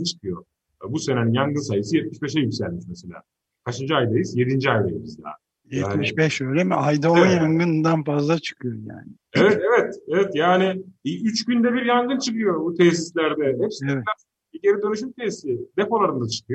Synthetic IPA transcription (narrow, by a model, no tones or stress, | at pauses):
t͡ʃʰɯ̥kʰɯjo | busenaninjaŋɡɯnsajɯsɯjɛt̪̚miʃbɛʃ̬ɛjycʲsælʲmit͡ʃmese̞lʲa̰ː | kʰaʃɯnd͡ʒɯajd̪ajɯzje̞d̪ind͡ʒiajd̪ajɯzbizd̪ʲa̰ː | jɛt̪ːmiʃbɛʃøːlʲɛmɛajd̪aonjaŋɡɯnd̪anfazlˠat͡ʃʰɯ̥kʰɯjo̞ja̰ːnɪ | evɛt̪evɛt̪evɛt̪jaːnɪyt͡ʃbynd̪ɛbiɾjaŋɡɯnt͡ʃʰɯkɯjo̞but̪ʰɛsislʲæɾd̪ɛɦɛpsɛvɛt̪a | iɟeɾid̪ønyʃ̬ymt̪ʰessid̪epo̞lˠaɾɯnd̪at͡ʃʰɯ̥kʰɯjo